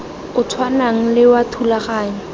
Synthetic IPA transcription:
ʊt͡sʰwanaŋ̩lɪwatʰulaχaːɲɪ

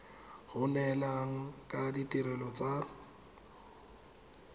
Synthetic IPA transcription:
hʊnɛlaŋ̩kʼaditʼiɾɛlɔt͡sʼa

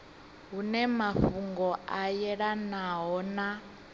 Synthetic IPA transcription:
ɦunɛmaɸuŋɡɔʔajɛɺanaɦɔna

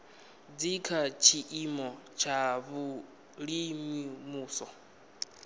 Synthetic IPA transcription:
d͡zikʰat͡ʃʰiʔimɔt͡ʃʰaβu | ɺimimuːsɔ

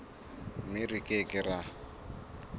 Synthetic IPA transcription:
mɪrikʼekʼɪra

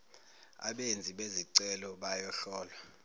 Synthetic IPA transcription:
a̰ɓend͡zʱiɓeziǀɛlɔɓajɔɬɔːlwa

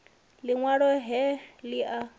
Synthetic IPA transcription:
liŋwaɺɔɦɛliʔa

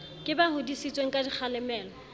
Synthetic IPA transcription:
kʼɪbahʊdisit͡sʼweŋ̩kʼadik͡xʰalɛmɛːlɔ

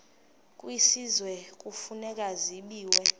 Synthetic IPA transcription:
kʼwisizwɛk̬ʼufunɛk̬ʼaziɓiːwɛ

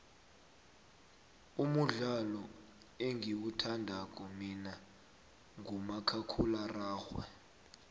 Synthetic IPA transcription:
umuɮalɔ | eŋɡʱiwutʰandʱakʼɔmina | ŋɡʱumakʰakʰularaːxwɛ̰

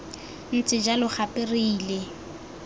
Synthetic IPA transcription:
n̩t͡sʼɪd͡ʒalʊχʰapʼɪriːle

